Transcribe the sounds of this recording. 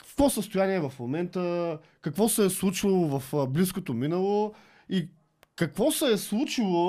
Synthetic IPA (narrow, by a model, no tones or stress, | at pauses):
kvɔsəst̪ojaniɛvɐfmomɛnt̪ə | kɐkvɔsɛːslˠut͡ʃvɐlˠovɐfblis̬kot̪ominəlˠo | i | kɐkvɔsɛːslˠut͡ʃilˠo